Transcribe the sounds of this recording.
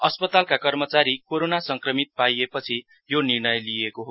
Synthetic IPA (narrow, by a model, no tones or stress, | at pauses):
ʌspʌt̪alkakʌrmʌt͡saɾikoɾonasʌŋkrʌmit̪̚pajepʌt͡sʰi | jonirnʌjlijekoɦo